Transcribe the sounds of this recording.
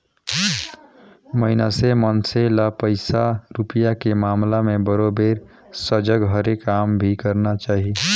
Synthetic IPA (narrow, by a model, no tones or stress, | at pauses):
məɦɪnasemənselapəɪsaɾupijakemaːmlamẽbəɾobeːɾ | səd͡ʒəɡɦəɾekːaːmbʱikəɾnat͡ʃaːɦi